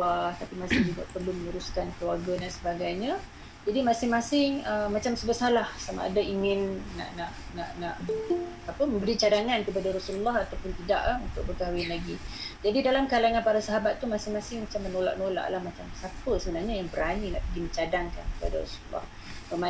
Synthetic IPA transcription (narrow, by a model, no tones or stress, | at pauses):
aht̪apimasɪhdiba̰ʔ̪̚pərlʊmənuɾuskankəluwarɡəndansəbaɡajɲa | d͡ʒadimasɪŋmasɪŋəmat͡ʃamsəbəsalahsama̰ʔa̰daiŋɪnːa̰ʔnaʔ | naʔnaʔ | apəməmbəɾit͡ʃadaŋankəpadaɾɔsululːɔɦat̪awpʊnt̪ida̰ʔunt̪ʊk̚bəɡawɪnlaɡid͡ʒadidalamkalaŋanpaɾasaɦabat̪ːumasɪhmasɪŋmat͡ʃamːənola̰ʔnola̰ʔlahmat͡ʃamsapəsəbənarɲajaŋbəɾanina̰ʔpəɡimə̃ɲt͡ʃadaŋka̰nkəpa̰da̰ɾɔ̰sululːɔ̰h | məma